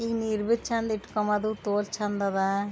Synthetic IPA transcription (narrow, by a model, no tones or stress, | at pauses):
iniɾbit͡ʃʰɐnd̪iʈːu̥kːɐmɐd̪ut̪oːlt͡ʃʰɐnd̪ɐða